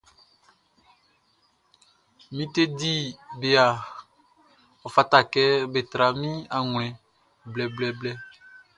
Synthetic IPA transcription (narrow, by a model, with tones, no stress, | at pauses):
mĩ˦t̪e˦di˦be˨a˨ | ɔ˨fa˨t̪a˨kɛ˦be˨t̪ɾa˨mĩ˦a˨ŋl̃ɛ̃˨ | blɛ˨blɛ˦blɛ˦